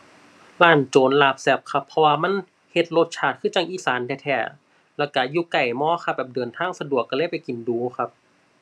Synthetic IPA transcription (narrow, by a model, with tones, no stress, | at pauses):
laː˧˥˩nt͡ɕoː˨˦nlaː˧˩p̚sɛ˧˩p̚kʰa˧pʰːɔ˧waː˧ma˧˥˨n | he˧˦t̪̚lo˧t̪̚t͡ɕʰaː˧˩t̪̚kʰɯː˧˥˨t͡ɕaː˧˩ŋʔiː˧˩saː˨˦ndɛː˧˩t̪ʰɛː˧˩ | lɛː˧˩wka˧˩juː˧˩ka˨˩jmɔː˧˥˨xʰa˧˩bɛː˨˩p̚dɤː˨˩ənt̪ʰaː˧˥˩ŋsa˧du˨˩əkːa˧lɤː˧˥˨jpa˨˩jki˨˩nduː˨˦xʰa˧˥p̚